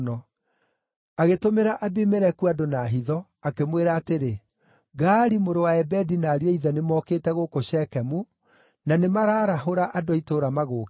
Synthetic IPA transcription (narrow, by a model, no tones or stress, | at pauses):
nɔ | aɣetomeɾaʔabemeɾɛkuadonaːɦiðɔ | akemweɾaːteɾe | ɡaːɾimoɾowaɛbɛdinaːɾjɔiðɛnemɔːkeːtɛɣokoɕɛːkɛmu | nanemaɾaːɾaɦoɾaʔadoitoːɾamaɣok